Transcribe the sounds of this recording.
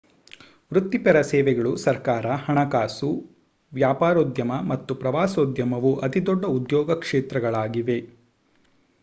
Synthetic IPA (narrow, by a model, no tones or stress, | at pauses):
ʋɾut̪ːipɛɾɐsɛːʋɛɡɐɭusɐɾkaːɾɐhɐɳɐkaːsu | ʋjaːpaːɾoːd̪jɐmɐmɐt̪ːupɾɐʋaːsoːd̪jɐmɐʋuʔɐt̪id̪ɔɖːɐud̪jɔːɡɐkʂeːt̪ɾɐɡɐɭaːɡiʋe̞